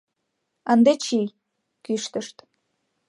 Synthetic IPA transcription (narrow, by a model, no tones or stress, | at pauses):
ənd̪et͡ɕij | kyʃt̪əʃt̪